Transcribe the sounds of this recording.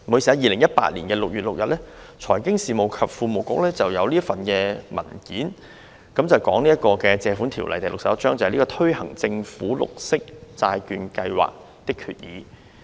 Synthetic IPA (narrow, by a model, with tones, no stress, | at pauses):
mu˨˥jsi˨a˨˧jiː˨lɪ˨˩ŋjɐ˥t̚pa̰ː˧t̚lḭ˨˩nkɛː˧lʊ˨k̚jɥyː˨t̚lʊ˨k̚jɐ̰˨t̚lɛː˥ | t͡sʰɔː˨˩jkɪ˥ŋsiː˨˩mo˨˩wkʰɐ˨p̚fuː˧mo˨˩wkʊ̰˨k̚lɛː˥t͡sɐ˨wjɐ˨˧wliː˥fɐ˨nkɛː˧mɐ̰˨˩nkiː˨˥n | kɐ˨˥mt͡sɐ˨˩wkɔː˨˥ŋli˥ɐ˥t̚kːɔː˧kɛː˧t͡sɛː˨˧fu˨˥nt̪ʰi˨˩wlɐ̰˨jt̪ɐ˨jlʊ˨k̚sɐ˨p̚ɐ˥t͡ʃœː˥ŋt͡sɐ˨hjliː˥kɔː˧t̪ʰɵ˥ɥhɐ˨˩ŋt͡sɪ˧ŋfuː˨˥lʊ̰˨k̚sɪ˥k̚t͡saː˧jkyː˨˧nkɐ˧jwa̰ː˨˩k̚ | t̪ɪ˥kʰy̰ː˨t̚jiː˨˧˦